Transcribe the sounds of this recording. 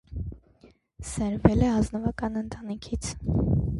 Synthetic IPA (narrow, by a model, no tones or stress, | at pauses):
səɾvɛlɛɑznəvɑkɑnənt̪ɑnikʰit͡sʰ